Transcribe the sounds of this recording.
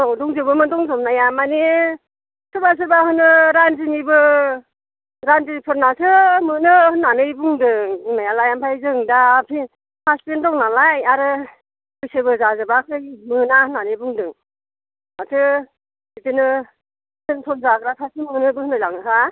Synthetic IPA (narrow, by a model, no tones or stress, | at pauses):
ɔdɔŋzɯbɯmɯdɔŋzɔmnajamane | sʰɯɾbas̬ɯɾbahɯnɯɾanzinibɯ | ɾanzipʰɯɾnasʰɯmɯnɯhɯnːanɯjbuŋdɯŋŋnajalajampʰajzɯŋdapʰi | pʰaspendɔŋnalajaɾɯ | kɯjsɯbɯzazɯbakʰɯjmɯnahɯnːanɯjbuŋdɯŋ | matʰɯ | ditɯnɯ | tɯntʰɔnzaɡɾatʰasimɯnɯbɯhɯnajlaŋnɯkʰa